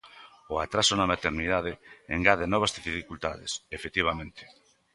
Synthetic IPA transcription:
ʊat̪ɾasʊnamat̪eɾniðað̞ɪeŋɡaðenɔβ̞azðififikult̪aðḛsefet̪iβ̞amẽnt̪ɪ̥

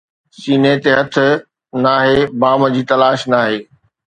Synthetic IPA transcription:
siːnet̪eɦɐt̪ʰʊ̆ | naːɦebaːməd͡ʑiːt̪ɐlaːʃnaːɦeː

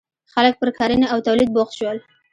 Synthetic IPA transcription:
xalək̚pəɾkʰɑɾinaawt̪awlid̪̚boxʃwəl

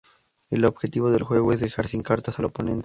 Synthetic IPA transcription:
elo̞bxet̪iβo̞ðelxwe̞ɣoezðexaɾsiŋkaɾt̪asalopo̞nẽ̞nt̪e

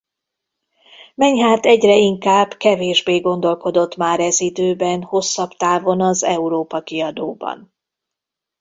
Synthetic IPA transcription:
mɛɲɦaːt̪ɛɟrɛiŋkaːbkɛveːʒbeːɡo̞nd̪o̞lko̞d̪o̞t̪maːɾɛzid̪øːbɛnho̞sːɒbt̪aːvo̞nɒzɛuɾoːpɒkiɒd̪oːbɒ̰n

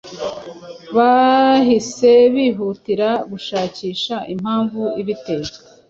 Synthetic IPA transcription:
βahise̞βiɦutiɾaɡuʃaːciːʃaʔim̥haːɱvuiβite̞ːɡa

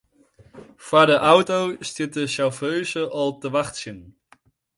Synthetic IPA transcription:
v̥aːɹdəʔʌwtowstɪt̚dəʃaɹføɥzəʔɑlˠtəʋɑχtsɪn

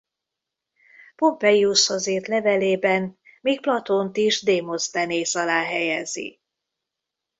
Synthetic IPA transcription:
po̞mpɛiusɒzeːrt̪lɛvɛleːbɛnmiːk̚plɒt̪ont̪iʒd̪eːmost̪ɛneːsɒlaːɦɛjɛzḭ

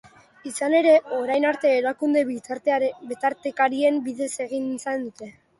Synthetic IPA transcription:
isane̞ɾe̞o̞ɾajnaɾt̪e̞ːɾakund̪e̞ | bet̪aɾt̪ekaɾie̞mbiðe̞se̞ɣ̞insend̪ut̪e̞

